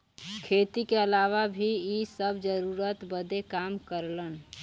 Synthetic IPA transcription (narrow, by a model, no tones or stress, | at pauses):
kʰeːt̪ikeəlaʋabʱiisəbʱd͡ʒəɾuɾət̪bəd̪ekamkəɾlən